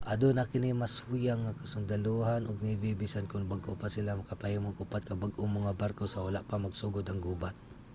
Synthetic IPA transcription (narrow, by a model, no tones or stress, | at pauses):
ʔad̪onakɪnimasujaŋːakɐsʊnd̪aluɦanʊɡ̚nɪvibɪsankʊnbaɡʔopasɪlamakapahɪmoɡʊpat̪̚kabaɡʔomɐŋabaɾkosawalaʔpamɐɡsuɡʊd̪aŋɡuːbat̪̚